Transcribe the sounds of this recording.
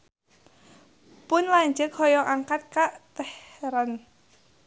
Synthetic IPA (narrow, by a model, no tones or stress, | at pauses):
pʊnlaɲd͡ʒək̚hɔjɔʔaŋkat̪̚kaʔt̪əhɾan